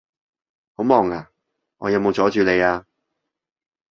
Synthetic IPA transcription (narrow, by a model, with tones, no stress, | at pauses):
ho˨˥mɔː˨˩ŋaː˨˩ | ŋɔː˨˧jɐ˨˧wmo˨˧wt͡sɔː˨˥t͡ʃyː˨le˨˧jaː˧